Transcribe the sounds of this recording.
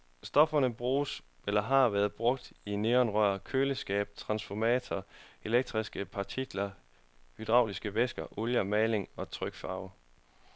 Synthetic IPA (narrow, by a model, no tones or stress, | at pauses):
sd̥ɒ̽fɐnəb̥ʁuːs | elɐɦɑ̈ʋæɐð̩ˠb̥ʁɔ̽ɡ̥̚d̥ine̝ːɒnʁœɶɐ̰kʰøːləsɡ̥ɛ̰ːb̥̚t͡sʰʁɑ̈nsfɒmɛ̰ːt͡sʰɒe̝leɡ̥̚d̥ʁisɡ̥əpʰɑ̈t͡sʰiɡ̥lɐ | hyd̥ʁɑ̈ʊlisɡ̥əʋesɡ̥ɐʔoljɐmɛːle̝ŋɒ̽t͡sʰʁœɡ̥fɑ̈ʊ